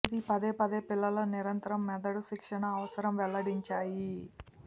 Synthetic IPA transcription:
d̪ipɐd̪eːpɐd̪eːpilːɐlɐniɾɐnt̪ɐɾɐmːɛd̪ɐɽuʃikʂɐɳɐːʋɐsɐɾɐmʋɛlːɐɽiɲt͡ʃaːji

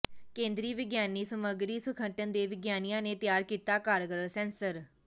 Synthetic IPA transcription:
kẽːnd̪ɾiːʋɪɡjaːniːsəməɡɾiːsəkʰəɳʈənd̪eːʋɪɡjaːnijãːneːt̪jaːɾkiːt̪aːkaːɾɡəɾəlsɛ̃ːnsəɾ

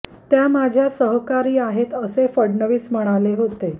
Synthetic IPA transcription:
t̪jamad͡ʑʱjasəɦkaɾiːaɦet̪əsefəɽɳəʋiːsm̤əɽ̃aleɦot̪e

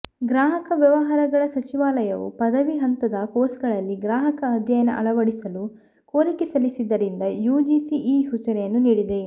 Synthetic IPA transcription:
ɡɾaːɦɐkɐʋjɐʋɐɦaːɾɐɡɐɭɐsɐt͡ʃiʋaːlɐjɐʋṵpɐd̪ɐʋiɦɐnt̪ɐd̪ɐkoːɾsɡɐɭɐlːiɡɾaːɦɐkɐːd̪ʱjɐjɐnɐ̰ʔɐ̰ɭɐʋɐɽisɐlu | koːɾikesɐlisid̪ːɐɾind̪ɐjuːd͡ʒiːsiʔiːɦut͡ʃɐɾɛjɐnːuniːɽid̪e̞

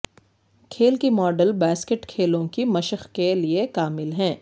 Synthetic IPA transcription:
kʰeːlkimɔːɖəlbɛːskəʈkʰeːlõkimɐʃəxkeliekaːmɪlɦɛ̃ː

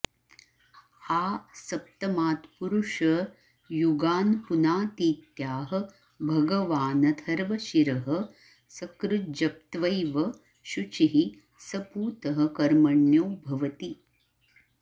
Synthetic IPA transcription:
aːsɐp̚t̪ɐmaːt̪puɾuʂɐ | juɡaːnpunaːt̪iːt̪jaːɦɐ̆ | bʱɐɡɐʋaːnɐd̪ʰʱɐɾʋɐʃiɾɐɦɐ̆ | sɐkɾud͡ʒɐp̚t̪ʋɐjʋɐ | ʃut͡ʃiɦi | sɐpuːt̪ɐɦɐ̆kɐɾmɐɳjuːbʱɐʋɐt̪i

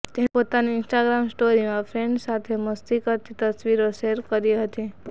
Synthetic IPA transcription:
t̪ẽpot̪aniɪnsʈaɡɾamsʈoɾimãfʰɾẽɳɖsat̪ʰeməst̪ikət̪it̪əsʋiɾoʃeɾkəɾiɦət̪i

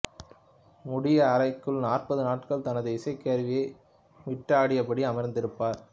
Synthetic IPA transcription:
mʊɽɪjɐːɾɐɪkːɯɭnaːrpɐðɯnaːʈkɐɭt̪ɐnɐðɯɪsɐɪkːeːɾʋɪjeɪ | ʋɪʈːaːɽɪjɐpːɐɽiɐmɐɾnd̪ɪɾɯpːaːɾ

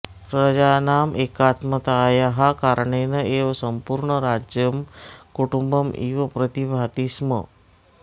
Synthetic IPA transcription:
pɾɐd͡ʒaːnaːmʔeːkaːt̪mət̪aːjaɦakaɾɳeːnəeːʋsəmpuɾɳəɾad͡ʒjəmkuʈumbəmʔiːʋɐpɾət̪ibʱaːt̪ismə̰

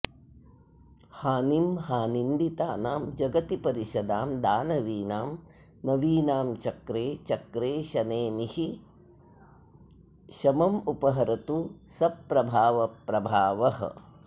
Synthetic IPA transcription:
haːnimɦaːnind̪it̪aːnaːmd͡ʒɐɡɐt̪ipɐɾiʃɐd̪aːmd̪aːnɐʋiːnaːm | nɐʋiːnaːmt͡ʃɐkɾeːt͡ʃɐkɾeːʃɐneːmihi | ʃɐmɐmupɐɦɐɾɐt̪usɐpːɾɐbʱaːʋɐpɾɐbʱaːʋɐhɐ̰

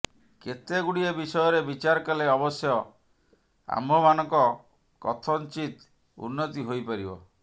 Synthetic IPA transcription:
ket̪eɡuɽiebisɔjɔɾebit͡ʃaɾɔkaleɔbɔsjɔ | a̰mbʱɔmanɔŋkɔ | kɔ̰t̪ʰɔnt͡ʃit̪ | ṵnːɔt̪iɦojpaɾibɔ̰

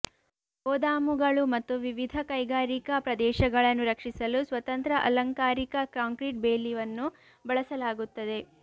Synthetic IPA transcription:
bɔːd̪aːmuɡɐɭumɐt̪ːuʋiʋid̪ʱɐkɐjɡaːɾikɐpɾɐd̪ɛːʃɐɡɐɭɐnːuɾɐkʂisɐlusʋɐt̪ɐnt̪ɾɐʔɐ̰lɐŋkaːɾikɐkɾaːŋkɾiʈ̚beːlːiʋɐnːu | bɐɭɐsɐlaːɡut̪ːɐd̪e̞

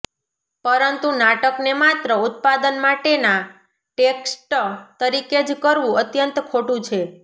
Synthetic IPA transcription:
pəɾənt̪unaʈəknemat̪ɾəut̪̚pad̪ənmaʈena | ʈeksʈt̪əɾiked͡ʒkəɾʋũət̪jənt̪kʰoʈũt͡ʃʰe

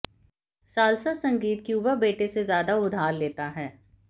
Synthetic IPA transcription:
saːlsasɐ̃ŋɡiːt̪kiubəbeːʈesezjaːd̪aʊd̪ʱaːllːeːt̪aɦɛː

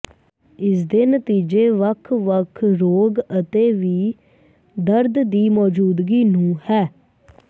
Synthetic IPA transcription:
ɪsd̪eːnət̪iːd͡ʒeːʋəkʰʋəkʰɾoːɡət̪eːʋiː | d̪əɾd̪d̪iːmɔːd͡ʒuːd̪ɡiːnũːhɛː

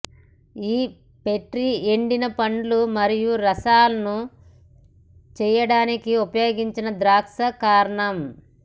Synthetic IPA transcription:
iː | peʈɾieɳɖinɐpɐɳɖlumɐɾijuɾɐsaːlɐnu | t͡ʃɛːjɐɽaːnikiupɐjo̞ːɡiɲt͡ʃinɐd̪ɾaːkʂɐkaːɾɐɳɐm

